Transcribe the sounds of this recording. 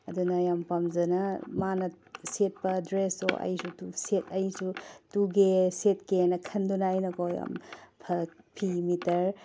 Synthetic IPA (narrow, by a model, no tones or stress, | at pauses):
ɐdunɐjampɐmzɐnɐmanɐ | set̚pɐdɾeso̰ʔɐ̰jsutusetʰɐjsutuɡeset̚kenɐkʰɐndunajnɐkoja̰mpʰɐk̚ | pʰimitɐɾ